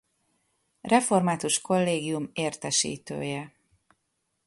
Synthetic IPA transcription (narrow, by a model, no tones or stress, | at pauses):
rɛfo̞rmaːt̪uʃko̞lːeːɡijumeːrt̪ɛʃḭːt̪ø̰ːjɛ